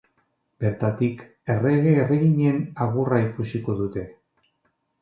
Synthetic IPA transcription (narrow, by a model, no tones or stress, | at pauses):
b̥e̞ɾt̪at̪ik | e̞reɣeːre̞ɣiɲenaɣuraikusiko̞ðut̪e̞